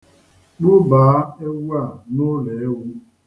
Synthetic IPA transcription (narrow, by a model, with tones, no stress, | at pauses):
k͡pʊ˦baː˨˦e˦ɡu˦a˦˨nʊ˦le˨e˦ɣu˦